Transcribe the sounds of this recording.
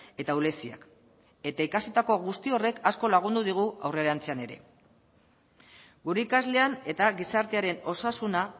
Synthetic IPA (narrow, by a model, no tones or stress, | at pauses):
e̞t̪aule̞sia̰k | e̞t̪aikasit̪ako̞ɣust̪io̞re̞kasko̞laɣ̞und̪uð̞iɣ̞ua̰wreɾant͡se̞ane̞ɾe̞̰ | ɡuɾe̞ikazle̞ane̞t̪aɣisaɾt̪e̞aɾe̞no̞sasuna